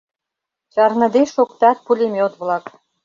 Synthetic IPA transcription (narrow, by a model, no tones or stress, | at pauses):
t͡ɕɑrnɤ̆d̪eʃokt̪ɑt̪̚pulʲemeot̪βlɑk